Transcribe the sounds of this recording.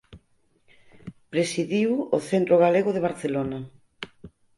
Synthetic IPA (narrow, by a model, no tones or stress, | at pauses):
pɾesiðiwoθent̪ɾoɣaleɣoðeβ̞aɾθelona